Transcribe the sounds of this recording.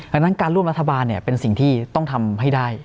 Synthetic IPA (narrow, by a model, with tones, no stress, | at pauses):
a˧na˦˥nkaː˧nɾu˥˩əmɾa˦˥t̪ʰːa˧baː˧nːi˥˩ɐpe˧nsi˨˩ŋt̪ʰiː˥˩t̪ɔ˥˩ŋt̪ʰa˧mɦa˥˩jdaː˥˩j